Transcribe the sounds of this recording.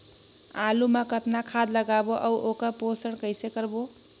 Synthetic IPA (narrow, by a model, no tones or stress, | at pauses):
alumakət̪nakʰad̪ləɡaboʔʌwʔokəposəɽ̃kəjsekəɾbo